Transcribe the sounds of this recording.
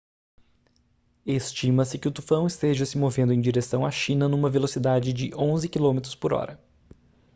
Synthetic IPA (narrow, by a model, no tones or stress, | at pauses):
est͡ʃimɐsɪkɪʊt̪ufɐ̃w̃ɪst̪eʒɐsɪmovẽnd̪ẽj̃d͡ʒiɾesɐ̃w̃aʃĩnɐnũmɐvelosid̪ad͡ʒɪd͡ʒɪʔõzɪkilõmet̪ɾʊspoɾɔ̰ɾɐ